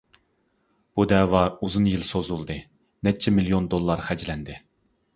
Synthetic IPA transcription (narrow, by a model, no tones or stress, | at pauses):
b̥ud̪ɛːwɑuzunjilsozulˠd̪ɨ | nɛt͡ʃʰɛmilijond̪olˠːɑɾχæd͡ʒlɛnd̪ɪ